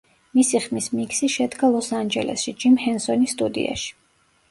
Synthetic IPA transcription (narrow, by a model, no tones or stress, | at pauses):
misiχmismikʰsiʃɛd̪ɡalˠɔsand͡ʒɛ̰lʔɛ̰sʃid͡ʒimhɛnsɔnist̪ʼud̪ḭa̰ʃi̥